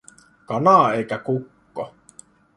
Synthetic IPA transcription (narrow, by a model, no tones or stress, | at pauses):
kɑnɑˑeikækukːo